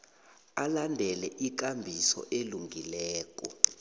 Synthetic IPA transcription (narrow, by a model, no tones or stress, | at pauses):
alandʱɛlɛʔik̬ambʱisɔ̰ʔeluŋɡʱilɛːk̬ʼɔ̰